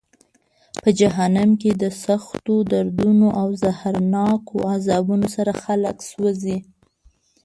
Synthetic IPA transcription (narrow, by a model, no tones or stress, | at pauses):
pəd͡ʒaɦanamked̪əsaxt̪od̪aɾd̪unoʔawzahaɾnɑkʰoazɑbunosaɾaxaləkswəzi